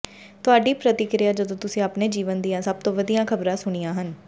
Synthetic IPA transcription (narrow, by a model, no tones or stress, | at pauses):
t̪ʊaːɖiːpɾət̪ɪkɾɪjaːd͡ʒəd̪õːt̪ʊsĩːapneːd͡ʒiːʋənd̪ɪjãːsəb̚t̪õːʋəd̪ijãːkʰəbɾãːsʊɽ̃ijãːɦən